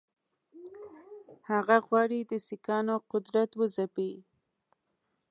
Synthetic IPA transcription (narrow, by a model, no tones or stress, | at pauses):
haɣaɣwɑɽid̪əsikɑnoqʊd̪ɾat̪wəzapi